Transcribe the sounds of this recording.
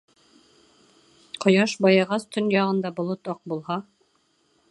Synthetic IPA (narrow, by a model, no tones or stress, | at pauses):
qŏjɑʃbɑjɑʁɑst̪ʰɵnjɑʁɤ̆nd̪ɑbŏlˠot̪ɑq̚bulˠhɑ